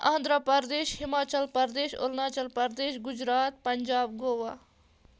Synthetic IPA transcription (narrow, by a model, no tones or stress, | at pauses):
ɐnd̪ɾəpɐɾd̪eːʃhimaːt͡ʃɐlpɐɾd̪eːʃo̰lnaːt͡ʃɐlpɐɾd̪eːʃɡud͡ʒɾaːt̪̚pɐɲd͡ʒaːb̚ɡoːwaː